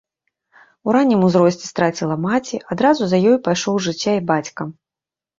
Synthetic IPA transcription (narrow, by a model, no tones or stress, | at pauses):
uɾanʲːimuzɾɔsʲt͡sʲi̥st̪ɾat͡sʲilˠɐmat͡sʲiʔad̪ɾazuzɐjɔjpajʂɔwʐɨt͡sʲːaibat͡sʲkɐ